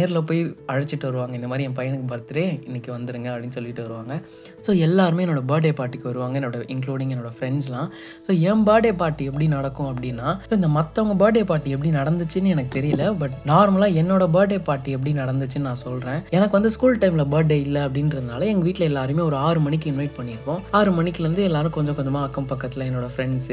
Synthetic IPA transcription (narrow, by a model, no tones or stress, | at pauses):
neːɾɪlɐpoːjɐɻɐt͡ʃːɪʈːɯʋɐɾɯʋaːŋɡɐɪnd̪ɐmaːd̪ɾiɛ̃pɐjɐɳɯkːɯbɐɾt̪ːɯɾeːɪnːɪkːɯʋɐnd̪ɯɾɯŋɡɐɐpːɽinːɯsɔlːɪʈːɯʋɐɾɯʋaːŋɡɐ | soːɛlːaːɾɯmeːɛnːoːɽɐbaːɖeːpaːɾʈːɪkːɯʋɐɾɯʋaːŋɡɐɛnːoːɽɐʔɪŋkluːɽɪŋɡɛnːoːɽɐfɾɛɳd͡ʒlãː | soːɛmbaːʈeːpaːɾʈːiɛp̬ːɐɽinɐɽɐkːʊ̃ɐpːɐɽɪnːaːsoːɪnd̪ɐmɐt̪ːɐʋɐŋɡɐbaːʈeːpaːɾʈːiɛp̬ːɐɽinɐɽɐnd̪ɯt͡ʃːɯnːɯɛnɐkːɯt̪ɛɾɪjɐlːɐbɐʈːnaːɾmɐlaːɛnːoːɽɐbaːʈeːpaːɾʈːiɛp̬ːɐɽinɐɽɐnd̪ɯt͡ʃːɯnnãːsɔlɾẽːɛːnɐkːɯʋɐnd̪ɯskuːlʈɐɪmlɐbɐːɖeɪlːɐɐpːɐɽɪnɾɯnðd̪aːlɐɛŋɡɐʋiːʈːlɐɛlːaːɾɯmeːɔɾɯaːɾɯmɐnɪkːɯɪnʋɐɪʈ̚pɐɳːɪɾɯkːõːaːɾɯmɐnɪkːɯɾɐnd̪ɯɛlːaːɾɯ̃kɔɲd͡ʒɔ̃kɔɲd͡ʒɐmaːɐkːɐmpɐkːɐt̪ːɪlɐɛnːoːɽɐfɾɛɳɖs